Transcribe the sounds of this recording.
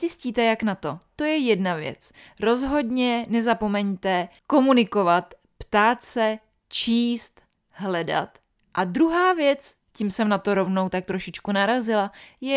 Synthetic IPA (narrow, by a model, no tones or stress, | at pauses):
zɪsciːt̪ɛjaknat̪o̞t̪o̞jɛjɛdnavjɛ̰t͡s | ɾo̞zɦo̞dɲɛnɛzapo̞mɛɲt̪ɛko̞munɪko̞vat̪ | pt̪aːt̪sɛ | t͡ʃiːst̪ | ɦlɛda̰t̪ | ʔad̪ɾuɦaːvjɛt͡s | cimsɛmnat̪oɾo̞vno̞wt̪ak̚t̪ɾo̞ʃɪt͡ʃkunaɾazɪlajɛ